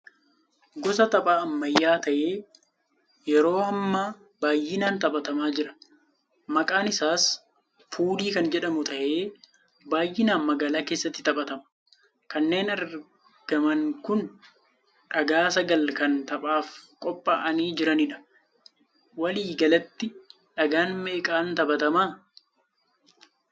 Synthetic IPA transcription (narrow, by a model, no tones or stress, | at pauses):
ɡɔs̬ɐt̪ɐpʼaːɐmːɐjːaːt̪ɐʔe̞ː | jɛɾo̞ːɐmːaː | baːjːɪnaːnt̪ɐpʼɐt̪ɐmaːd͡ʒɪɾɐ̥ | mɐkʼaːnɪsaːs | fuːliːkɐnd͡ʒɛᶑɐmʊt̪ʰɐʔe̞ː | baːjːɪnaːnmɐɡaːlaːke̞ːsːɐt̪ːɪt̪ɐpʼɐt̪ɐmʊ̥ | kɐnːe̞ːnɐɾ | ɡ̥ɐmɐŋkʊn | ᶑɐɡaːsɐɡɐlkɐnt̪ɐɓʼaːfkʼɔpʼːaːʔɐniːd͡ʒɪɾɐnɪᶑɐ̥ | wɐliːɡɐlɐt̪ːɪ | ᶑɐɡaːnmeːkʼaːnt̪ɐbɐt̪ɐmaː